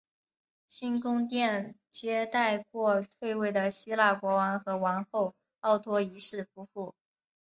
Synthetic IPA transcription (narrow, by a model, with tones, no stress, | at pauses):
ɕi˥nkʊ˥ŋt̪̬jɛ˥˩nt͡ɕjɛ˥t̪a˥˧ɪkwɔ˥˧t̪ʰwe˥˧ɪwe˥˩ɪd̪ə˩ɕi˥la˥˩kwɔ˧˥wa˧˥nxɤ˧˥wa˧˥nxo˥˩ʊ | ɑ˥˩ʊt̪ʰwɔ˥i˧˥ʂɻ̩˥˩fu˧˥fu˥˩